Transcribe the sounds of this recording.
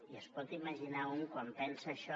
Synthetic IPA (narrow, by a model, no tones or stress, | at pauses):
iəspɔt̪iməʒinauŋkwampɛnsəːʃɔ